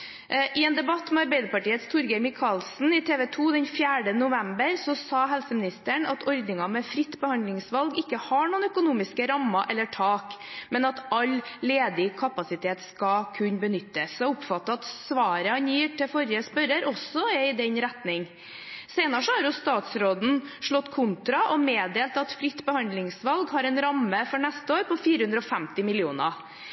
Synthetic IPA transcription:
ʔɪɛːnd̪ɛbɑt̪ːmɛɑɾbɛɪd̪əɾpɑʈiːət̪st̪ʰʊɾɡɛɾmɪkʰɑlsn̩ɪt̪ʰeːʋɛt̪ʰuːd̪ɛnfjæːɖənʊʋɛmbəɾsɔsɑːɦɛlsəmɪnɪst̪əɳɑt̪ʰɔɾd̪nɪŋɑmɛfɾɪt̪ːbəhɑnd̪lɪŋsʋɑlɡɪkːəhɑɳuːnœkʊnuːmɪskəɾɑmːɑʔɛlːəʈʰɑːkmɛnɑt̪ɑlleːd̪ɪkʰɑpɑsɪt̪ʰeːt̪skɑkʰʉɲːbənʏt̪ːəsɛʊpfɑt̪ːəɑt̪sʋɑːɾəhɑnjiːʈɛfɔɾjəspœɾəɾɔsɔɛɪd̪ɛɲɾɛt̪nɪŋ | seɪnəʂɔhɑɾjʊst̪ɑːt̪sɾoːd̪n̩ʂɭɔt̪ːkʰʊnt̪ɾɑʔɔmeːd̪eːlt̪ɑt̪fɾɪt̪ːbəhɑnd̪lɪŋsʋɑlɡhɑɾɛnɾɑmːəfɔɳɛst̪əoːɾpʰɔfiːɾəhʉnd̪ɾɔfæmt̪ɪmɪlɪuːnə

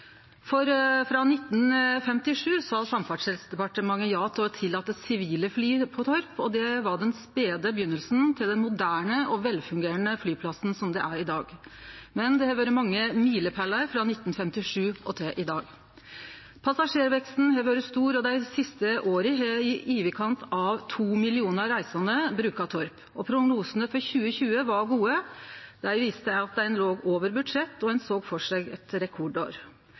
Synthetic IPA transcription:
fɔɾfɾɑnɪt̪ːnfɛmt̪ɪʂʉːsɑsɑmfɑʈʂhɛlsd̪ɛpɑʈəmɑŋːəjɑːt̪ʰɔt̪ʰɪlːɑːt̪ːəsɪʋiːləflyːpʰɔt̪ʰɔɾpɔd̪ɛʋɑɖɛnspeːd̪əbəjʏnːəlsnt̪ʰɪld̪ɛnmʊd̪æːɳəʔɔʋɛlfʉŋɡeːɾənəflyːpʰlɑsn̩sɔmd̪ɛ̰ʔæɾɪd̪ɑːɡmɛnd̪ɛhɛːʋjøːɾəmɑŋːəmiːləpʰælːɑɾfɾɑnɪt̪nfɛmt̪ɪʂʉːɔt̪ʰɪlʔɪd̪ɑːɡ | pʰɑsɑʂeːɾʋɛkst̪n̩heʋøːɾəst̪uːɾɔd̪æɪsɪst̪əʔoːɾəɦɛɪʔiːʋəkʰɑnt̪ɑʋt̪ʰuːmɪlɪuːnəɾɾæɪsɑnəbɾʉːkɑt̪ʰɔɾp | ɔpʰɾʊɡnuːsənəfɔɾçʉːəçʉːəʋɑɾɡuːəd̪̥æɪʋiːst̪əæɑt̪̚d̪æɪnloːɡoːʋəɾbʉd̪ʂɛt̪ːɔænsoːɡfɔʂæɪɡɛt̪ɾɛkʰɔɖo̰ːɾ

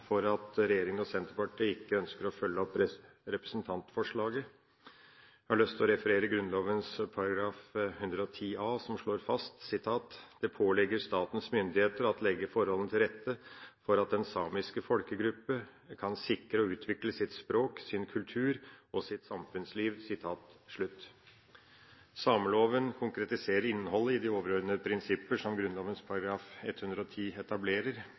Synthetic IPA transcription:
fɔɾɑt̪ɾɛjeːɾɪŋənɔsɛnt̪əɾpɑʈːiːɪkːəœnskəɾɔfœlːəɔpːɾɛ | ɾɛpɾɛsn̩t̪ʰɑnt̪fɔʂɭɑːɡə | hɑɭœst̪ɔɾɛfəɾeːɾəɡɾʉnloːʋənspʰɑɾɑɡɾɑːfhʉnd̪ɾəɔt̪ʰiːʔɑːsɔmʂɭoːɾfɑst̪sɪt̪ʰɑːt̪d̪̥ɛpʰoːlɛɡːəɾʂt̪ɑːt̪ən̩smʏnd̪ɪheːt̪əɾɑt̪lɛɡːəfɔɾhɔlənt̪ʰɪlɾɛt̪ːəfɔɾɑt̪̚d̪ɛnsɑːmɪskəfɔlkəɡɾʉpːəkʰɑnsɪkɾəɔʉːt̪ʰʋɪkləsɪt̪spɾoːksɪnkʰʉlt̪ʰʉːɾɔsɪt̪sɑmfʉnsliːʋsɪt̪ʰɑːt̪ʂɭʉt̪ː | sɑːməloːʋənkʰʊŋkɾɛt̪ɪseːɾəɾɪnːəɦɔlːəɪd̪ɪoːʋəɾɔɾd̪nəəpʰɾɪnsɪpːəʂɔmɡɾʉnloːʋənspʰɑɾɑɡɾɑːfɛt̪hʉnd̪ɾəɔt̪ʰiːɛt̪ɑbleːɾəɾ

